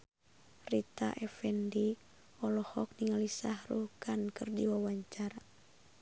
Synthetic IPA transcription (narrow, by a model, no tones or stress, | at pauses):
rit̪a̰ʔɛfɛndi | ɔlɔhɔk̚niŋalisahɾukankɨrdiwawaɲt͡ʃaɾa